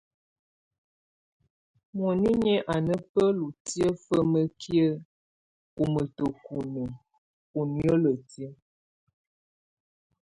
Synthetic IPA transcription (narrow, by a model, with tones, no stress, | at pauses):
mɔ˨ni˦ɲɛ˦ʔa˨nə˦pə˦lu˨ti˦ə˦fə˦mə˦kʰji˦ə˦ | u˨mə˨tə˨ku˨nə˨ | u˨njə˦lə˨ti˦ə˦